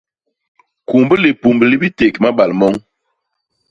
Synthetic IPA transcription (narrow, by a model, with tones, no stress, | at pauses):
ku˨mbə˦le˨pu˨mbə˨li˦bi˦te˨kma˦ɓa˨lmɔ˦ŋ